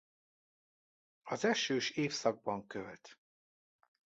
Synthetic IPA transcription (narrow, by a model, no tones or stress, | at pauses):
ɒzɛʃøːʃeːfsɒɡ̚bɒŋkølt̪